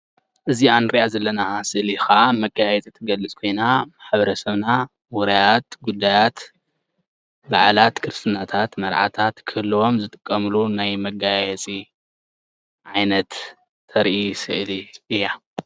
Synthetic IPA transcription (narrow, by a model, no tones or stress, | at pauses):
ʔɨzianɾiʔazɐlːɐnasɨʔlixamɐɡajɛt͡sʼit̪ʰɨɡɐlɨt͡sʼkʰo̞jnamaħbɐɾɐsɐβna | wɔɾajat̪̚ɡud̪ːajat̪ | baʕlat̪kʰɨɾɨst̪ʰɨnat̪ʰat̪mɐɾʕa̰t̪ʰat̪kʰɨɨlːwo̞mzɨt̪ʼɨ̥kʼːɐmɨlunajmɐɡajɛt͡sʼi | ʕajnɐt̪ʰː | ɐɾʔisɨ̰ʕliʔɨjːa